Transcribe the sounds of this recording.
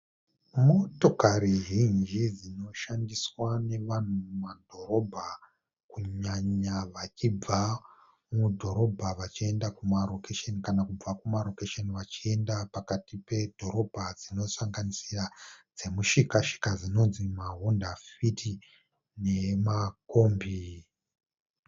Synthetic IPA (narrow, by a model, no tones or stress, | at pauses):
mo̞to̞kaɾiʒind͡ʒid͡zino̞ʃandiswane̞ʋan̤umadʱo̞ɾo̞bʱa | kuɲaɲaʋat͡ʃib͡va | mudʱo̞ɾo̞bʱaʋat͡ʃiendakumaro̞keʃenikanakub͡vakumaro̞keʃeniʋat͡ʃie̞ndapakatipe̞d̥ʱo̞ɾo̞bʱad͡zino̞saŋɡanisirad͡ze̞muʃikaʃi̥kazino̞nzimaɦondafitʰi | ne̞makombi